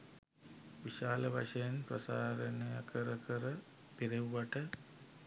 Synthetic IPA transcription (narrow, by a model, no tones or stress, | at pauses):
ʋiʃaːləʋa̰ʂəjanprɐsaːɾənijəkʰəɾəkʰəɾə | piɾiʋʋaʈə